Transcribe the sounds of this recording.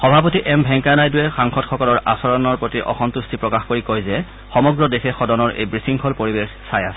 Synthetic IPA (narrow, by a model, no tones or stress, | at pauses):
xɔbʱapotiʔɛmbʱɛŋkanajdʊɛxaŋxɔtxɔkɔlɔɹʔa̰sɔɹɔnɔɹpɹotiʔɔ̰xɔntustʰipɹɔkaxkoɹikojzɛ | xɔmɔɡɹɔdexɛxɔdɔnɔɹʔḛjbɹisiŋkʰɔlpoɹibexsajasɛ